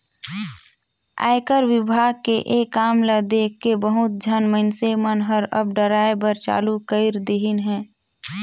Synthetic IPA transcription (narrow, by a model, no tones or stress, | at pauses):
a̰ːɪkəɾwɪbʱaːɡ̚keʔeːkaːmləd̪eːkːebəɦʊt̪̚d͡ʒʱənməɪnsemənɦəɾə̰bɖəɾaːebəɾt͡ʃa̰ːlukəɪɾd̪eɦinɦɛ̃ː